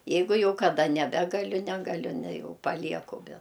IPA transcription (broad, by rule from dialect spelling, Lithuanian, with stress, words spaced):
ˈjɛɪɡʊ ˈjɛʊ kɐˈdɐ nʲɛˈbʲæːɡɐlʲʊ ˈnʲæːɡɐlʲʊ nʲɛ ˈjɛʊ pɐˈlʲiɛkʊ bʲɛ